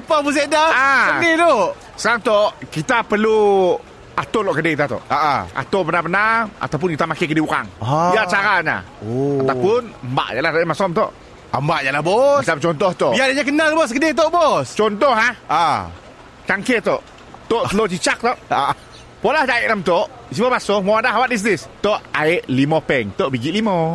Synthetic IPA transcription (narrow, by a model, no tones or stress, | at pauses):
apamus̬eʔdaanit̪oʔ | səkaŋt̪oʔkit̪apərlu | at̪olɔʔkədekit̪at̪o̰ʔaʔa̰a̰t̪obənarbənara̰t̪awp̬ʊnkit̪amakekədiuɾa̰ŋiat͡ʃaɾaɲa̰ | oat̪awpʊnəmba̰ʔjaʔlahadmasɔmt̪o̰ʔ | ambaʔjalabɔisamt͡ʃɔnt̪ɔht̪ɔʔbiadəɲak̬ənalbɔs̬kədɪht̪ɔʔbɔst͡ʃɔnt̪ɔɦaha | t͡ʃaŋket̪ɔʔ | t̪oʔt̪əlot͡ʃit͡ʃak̚t̪ɔʔ | polahd͡ʒaɪʔlamt̪ɔʔ | sibabasɔmoadaʔɦawat̪̚is̬dɪst̪oʔaɪʔlimɔpɛŋt̪oʔbiɡiʔlimɔ